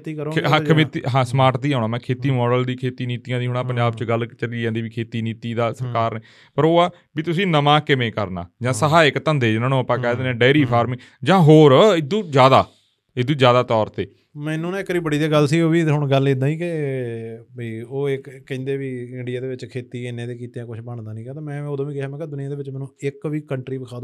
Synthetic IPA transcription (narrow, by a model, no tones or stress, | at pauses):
t̪iːkəɾoɦəkʰːmɪt̪iɦãːsmaːɾʈd̪iːaːʊnãːmɛ̃ːkʰeːt̪iːmɔːɖəld̪iːkʰeːt̪iːniːt̪ijãːd̪iːɦoːɳaːpəɲd͡ʒaːbt͡ʃɡəlt͡ʃəliːãːd̪iːʋiːkʰeːt̪iːniːt̪iːd̪aːsəɾkaːɾneː | pəɾoːaː | biːt̪ʊsĩːnəmãːkɪmẽːkəɾna̰ːd͡ʒãːsəɦaːɪkt̪ə̃nd̪eːd͡ʒnãːnũːəpãːkɛːd̪eːnɛːɖaːɾiːpʰaːɾmɪ̃ŋ | d͡ʒãːɦoːɾɪd̪ũːd͡ʒjaːd̪aː | ɪd̪ũːd͡ʒjaːd̪aːt̪ɔːɾt̪eː | mɛ̃ːnũːñːɪkːɾiːbəɽiːd̪eːɡəlsiːoːʋiːɦʊɳɡəled̪ãːiːkɪ | biːoːɪkːə̃nd̪eːʋiːɪɳɖɪjaːd̪eːʋɪt͡ʃkʰeːt̪iːenẽːd̪eːkiːt̪eãːkʊt͡ʃʰbəɳd̪aːnĩːkaːt̪ãːmɛ̃ːoːd̪õːʋiːkɛɦaːm̃ːked̪ʊnɪjãːd̪eːʋɪt͡ʃmɛːnũːɪkʋiːkəɳʈɾiːbəkʰaːd̪